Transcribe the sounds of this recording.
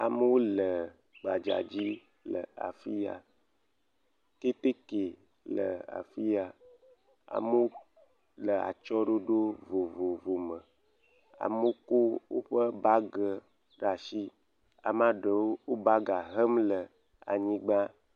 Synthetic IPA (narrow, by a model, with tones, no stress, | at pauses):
a˨mə˦wo˦lə˨ | ɡ͡ba˨d͡ʒa̰˨d͡ʑi˦ | lə̰˨a̰˨fi˦ja̰˨ | ke˦t̪e˦ke˨ | lə̰˨a̰˨fi˦ja˨ | a̰˨mə˦wo˦ | lə˨a̰˨t͡ʃɔ˦ɖo˦ɖo˦vo˨vo˨vo˨mə˨ | a̰˨mo˦ko˦wo̰˦ɸə˦ba˦ɡə˨ | ɖa˨ʃi˦ | a̰˨m˦ã˦ɖə˨wo˦wo˦ba˦ɡa˨ɦə˦mlə˨ | a̰˨ɲĩ˦ɡ͡ba˦